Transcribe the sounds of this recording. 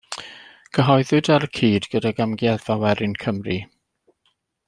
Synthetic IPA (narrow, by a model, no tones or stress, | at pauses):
kʰəɦɔɨðɨdaɾkʰiːdɡ̥ədaɡamɡjɛðawɛɾɪnkʰəmri